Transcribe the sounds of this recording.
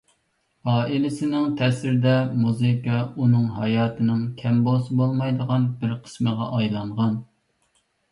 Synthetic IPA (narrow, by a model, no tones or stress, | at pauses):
hɑːʔilɪsɪnɪŋt̪ʰɛsɪɾɪd̪ɛmuzɨkɑunɨŋɦɑjɑːt̪ʰɨnɪŋkʲʰɛmbolˠsɨbolˠmɑjd̪əʁɑnbɪɾqʰə̥sməʁɑ̰ʔɑjlˠɑɴʁɑn